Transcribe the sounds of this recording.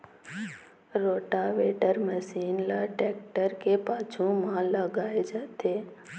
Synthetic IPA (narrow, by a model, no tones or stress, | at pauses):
ɾoːʈaʋeʈəɾməsiːnlaʈek̚ʈəɾkepaːt͡ʃʰumãləɡaːed͡ʒət̪ʰe